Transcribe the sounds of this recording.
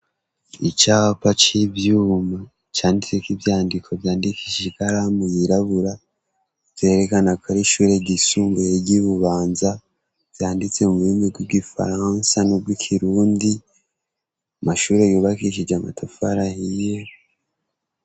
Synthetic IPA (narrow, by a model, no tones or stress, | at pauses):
it͡ʃapat͡ʃivjuːma | t͡ʃaːndit͡sekivjaːndikʰo̞vjaːndikʰiʃikaɾamujiɾaβuɾa | v̥je̞ːɾekanakaɾiʃuɾe̞ɟisuːmɡujeɟiβuβaːnza | v̥jaːndit͡se̞muβuɾimibɡwibɡifa̰ɾansanob̚ɡikʰiɾuːndi | amaʃuːɾe̞juːβakiʃid͡ʒamatʰafaɾahije